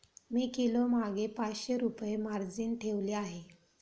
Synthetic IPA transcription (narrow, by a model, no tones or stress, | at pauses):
miːkilomaɡepat͡sɕeɾupjemaɾd͡ziːnʈʰeʋleaɦe